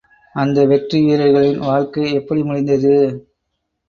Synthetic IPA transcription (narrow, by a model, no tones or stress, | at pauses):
ɐnd̪ɐʋɛʈriʋiːɾɐɪɣɐɭɪnʋaːɻkɐɪɛpːɐɽimʊɻɪnd̪ɐðɯ